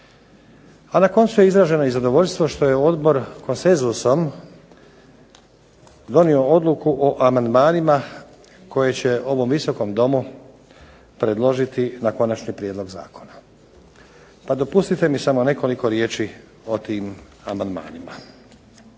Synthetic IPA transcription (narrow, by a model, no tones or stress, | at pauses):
anako̞nt̪suje̞izɾaʒe̞noizad̪o̞ʋo̞ʎʲst̪ʋo̞ʃt̪o̞je̞o̞d̪bo̞ɾko̞nse̞nzuso̞m | d̪o̞nio̞o̞d̪lukuʔoʔamand̪maːnima | ko̞je̞t͡ɕe̞o̞ʋo̞mʋiso̞ko̞md̪o̞mu | pɾed̪lˠo̞ʒit̪inako̞nat͡ʃnipɾjed̪lˠoɡza̰ːkʰo̞na | pad̪o̞pust̪it̪e̞misamo̞ne̞ko̞liko̞ɾjeːt͡ʃi | o̞t̪iːm | amand̪ma̰ːnima